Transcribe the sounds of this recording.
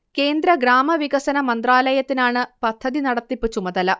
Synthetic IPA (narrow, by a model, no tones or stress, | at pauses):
ke̞ːnd̪ɾɐɡɾaːmɐʋiɣɐsɐnɐmɐnd̪raːlɐjɐt̪ːinaːɳɨpɐd̪ʰʱːɐðinɐɽɐt̪ːipːɨt͡ɕːumɐðɐlɐ